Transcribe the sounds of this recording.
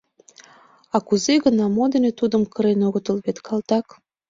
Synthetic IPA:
ɑkuzeɣənɑmod̪enet̪ud̪əmkəɾenoɣət̪əlβet̪kʰɑlt̪ɑk

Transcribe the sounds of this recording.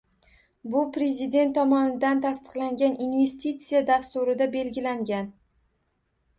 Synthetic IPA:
bʊpɾe̞zɪd̪e̞nt̪ʰːɒmɒnɪd̪ant̪ʰast̪ɨ̥qlaŋɡʲanʔinve̞st̪it̪sijad̪ast̪ʊɾɪd̪abe̞lɡʲɪlaŋɡʲan

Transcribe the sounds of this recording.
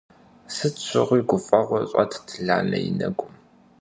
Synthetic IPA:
sɨt͡sʷʰɪʁʷiːɡʷʊfʼɐʁʷɔɕʼɐtʰtʰɮaːnɐjɪnɐɡʷʊm

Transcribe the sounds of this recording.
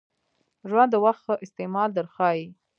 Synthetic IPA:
ʒwand̪əwaxt̪xəʔɪst̪emɑld̪əɾxɑji

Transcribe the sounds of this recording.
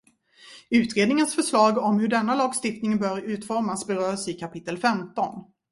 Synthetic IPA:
ʉ̟ːt̪ɾeːd̪nɪŋənsfœʂɭɑːɡɔmhɵɖɛnːalɑːɡst̪ɪft̪nɪŋbœːɾʉ̟ːt̪fɔɾmasbɛɾœːsɪkʰapʰɪt̪ːəlfɛmt̪ɔn

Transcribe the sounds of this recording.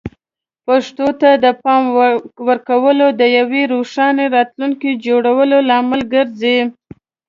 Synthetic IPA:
paʂt̪ot̪ad̪əpɑmwəɾkawəlod̪əjaweɾoʂɑneɾɑt̪luŋkid͡ʒoɽawəlolɑːmalɡəɾze

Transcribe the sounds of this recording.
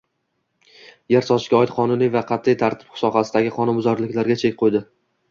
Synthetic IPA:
jaɾsɒʃkʲaɒɪt̪qʰɒnʊnijvaqʰɑt̪ʰːijt̪ʰaɾt̪ʰɪ̥p̚ʊ̥sɒqɑsɪd̪aɡʲɪqʰɒnʊnbʊzɒɾlɪkʲlaɾɡʲat͡ʃʰe̞kʲqʰojd̪ɪ

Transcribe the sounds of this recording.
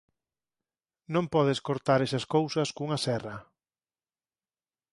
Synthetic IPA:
nõmpɔðeskoɾt̪aɾesɐskowsɐskuŋɐsɛrɐ

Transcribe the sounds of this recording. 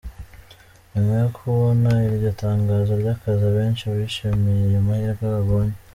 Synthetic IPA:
nemejokʰuβonaiβɟo̞taːŋɡazoɾɟaːkazaβe̞ːnʃiaβiʃemejejomahiːɾakaɡaɡoːɲe

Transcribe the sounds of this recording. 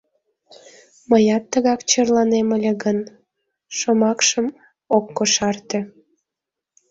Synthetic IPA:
məjɑt̪ːəɣɑkt͡ɕərlɑneməlʲeɣən | ʃomɑkʃəm | okːoʃɑrt̪ĕ

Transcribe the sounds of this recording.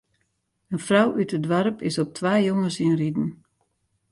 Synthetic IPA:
ənfrawʔytədʋaɾəpʰɪsɔp̚tʰʋaːjoŋəsiənridn̩

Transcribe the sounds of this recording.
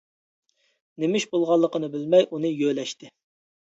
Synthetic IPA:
nemɪʃbolˠʁɑlˠːəqənɨbɪlmɛjʔunɨjølɛʃt̪ɪ

